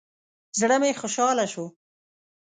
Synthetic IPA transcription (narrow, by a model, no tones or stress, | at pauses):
zɽəmexʊʃɑlaʃo